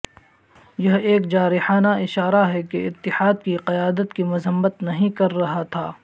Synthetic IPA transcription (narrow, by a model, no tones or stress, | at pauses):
jɐɦeːkd͡ʒaːɾɪħaːnaɪʃaːɾaɦɛkeɪt̪ːɪħaːd̪kiqɐjaːd̪ət̪kimʊzəmːət̪nɐɦĩkɐɾːɐɦat̪ʰaː